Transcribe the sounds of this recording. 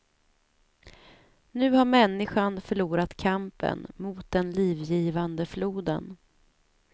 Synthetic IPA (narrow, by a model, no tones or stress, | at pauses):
nʉ̟ːhaɾmɛnːɪɧanfœɭuːɾat̪kʰampə̰nmuːt̪̚d̪ɛnliːvjiːvand̪əfluːd̪ə̰n